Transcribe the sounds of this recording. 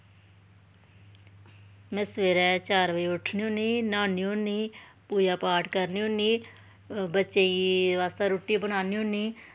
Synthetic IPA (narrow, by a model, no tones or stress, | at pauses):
mɛ̃ːsʋeːɾɛːt͡ʃaːɾʋəiːʊʈʰniːoniːnaːniːoniː | puːjaːpaːʈʰkəɾniːoniː | bətːʃeːiʋaːst̪aːɾoːʈːiːbəɽ̃aːniːonːiː